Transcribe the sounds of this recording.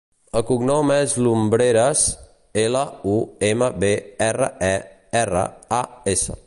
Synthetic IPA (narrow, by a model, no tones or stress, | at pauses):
əkuɡnɔmɛzlumbɾeɾəs | ɛləueməbeɛrə̰ɛ | ɛrə̰aesə̰